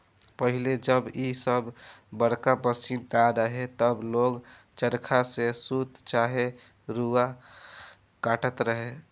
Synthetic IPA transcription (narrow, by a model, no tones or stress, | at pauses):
pəɦiled͡ʒəbisəbbəɽkabəsinɖaɾəɦet̪əbloɡt͡ʃəɾkʰasesut̪t͡ʃaɦe | ɾua | kaʈət̪ɾəɦe